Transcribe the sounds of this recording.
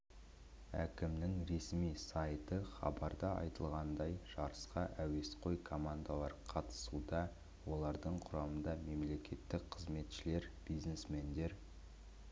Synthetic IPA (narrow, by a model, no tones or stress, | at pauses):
æ̰kʲɪmnɪŋɾe̞smijsɑjt̪əχɑ̰bɑɾd̪ɑɑ̰jt̪əlˠʁɑnd̪ɑjʒ̥ɑɾəsqɑʔæwe̞sqʰo̞jkʰo̞mand̪alˠɑɾqʰɑt̪ə̥sud̪ɑ | wo̞lˠɑɾd̪əɴqʰʊɾɑmənd̪ɑme̞mle̞kʲʰe̞t̪ːɪk̚qʰəzme̞t̪ʃɪle̞ɾb̥ijznesme̞nd̪e̞ɾ